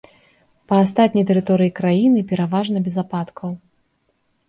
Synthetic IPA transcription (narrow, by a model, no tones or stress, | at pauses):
pɐas̬t̪at̪̚ʲnʲɐjt̪ɛɾɨt̪ɔɾɨjikɾajinɨpʲɛɾavaʐnɐbʲɛzapat̪kʰɐw